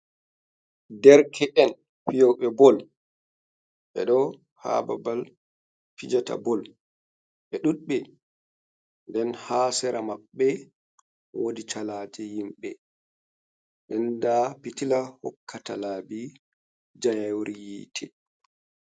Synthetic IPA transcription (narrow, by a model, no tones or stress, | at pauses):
dɛɾkʰɛʔɛn | fijɔwɓɛbɔl | ɓɛ̰ɗɔ | ha̰babal | fid͡ʒata̰bɔl | ɓɛɗuɗɓɛ | ndɛnhaːsɛɾamaɓːɛ | wodit͡ʃalatʰɛjimɓɛ | ʔɛndapitilahɔ̰kːatalaːbi | d͡ʒajawɾijitʰɛ